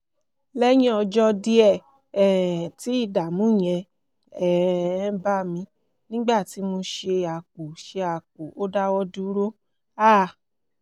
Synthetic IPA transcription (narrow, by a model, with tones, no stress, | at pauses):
lɛ˦jĩ˦ɔ˧d͡ʒɔ˧di˧˦ɛ˦˨ | ɛ˨ti˨˦i˦˨da˨mũ˨˦˨j̃ɛ̃˧ | ɛ˨˦ba˦˨mĩ˧˦ | nĩ˦ɡ͡ba˦˨ti˨˦mo˧ʃe˧a˨k͡pu˨ʃe˧a˨k͡pu˨o˦da˦wɔ˧du˦ɾo˦ | aː˦˨